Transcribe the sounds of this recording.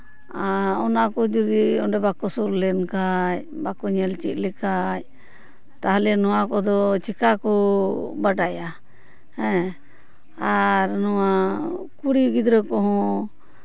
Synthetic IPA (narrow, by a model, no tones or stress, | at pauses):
aɔnakɔd͡ʒud̪iɔnɖɛbakɔsuɾlɛnkaj | bakɔɲɛlt͡ʃḭt̪̚lɛkaj | t̪aɦlɛnɔwakɔd̪ɔt͡ʃikakɔbaɖaja | hɛ̃ | aɾnɔwa | kuɽiɡid̪ɾɛkɔɦɔ̃